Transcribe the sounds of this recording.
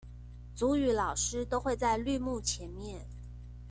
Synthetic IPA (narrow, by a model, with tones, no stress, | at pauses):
t͡su˧˥y˧˥lɑ˨˩ʊʂɻ̩˥t̪o˥ʊxwe˥˧ɪt͡sa˥˧ɪly˥˧mu˥˩t͡ɕʰjɛ˧˥nmjɛ˥˩n